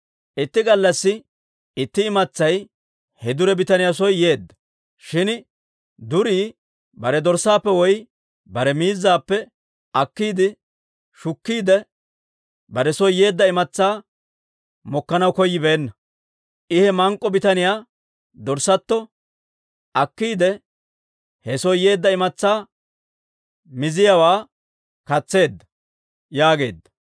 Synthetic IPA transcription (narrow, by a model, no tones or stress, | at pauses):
ʔɪt̪ːɪɡɐlːɐsːɪ | ɪt̪ːɪɪmɐt͡sːɐj | hɛd̪ʊɾɛbɪt̪ɐnɪjas̬ɔjːeːd̪ːɐ̥ | ʃɪn | d̪ʊɾiː | bɐɾɛd̪ɔɾsaːpːɛwɔj | bɐɾɛmiːzːaːpːɛ | ʔɐkːiːd̪ɪ | ʃʊkːiːd̪ɛ | bɐɾɛsɔjːe̞ːd̪ːɐɪmɐt͡sːaː | mɔkːɐnɐwkɔjːɪbeːnːɐ | ʔɪhɛmɐŋkʼːɔbɪt̪ɐnɪjaː | d̪ɔɾsɐt̪ːɔ | ʔɐkːiːd̪ɛ | hɛsɔjje̞ːd̪ːɐɪmɐt͡sːaː | mɪzɪjawaː | kɐt͡sːe̞ːd̪ːɐ̥ | jaːɡe̞̰ːd̪ːɐ̥